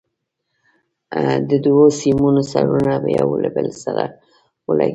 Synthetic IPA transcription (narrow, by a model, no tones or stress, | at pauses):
d̪əd̪wosimunosaɾunabajawlabəlsaɾa | wəlaɡ